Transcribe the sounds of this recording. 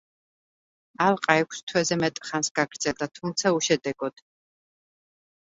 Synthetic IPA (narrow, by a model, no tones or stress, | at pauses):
alˠqʼaɛkʷʰst̪ʰwɛzɛmɛt̪ʼχansɡ̥aɡɾd̪zɛlˠd̪at̪ʰumt̪sʰauʃɛd̪ɛɡɔd̪̥